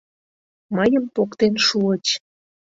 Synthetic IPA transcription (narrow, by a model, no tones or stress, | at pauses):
məjəmpokt̪enʃuət͡ɕ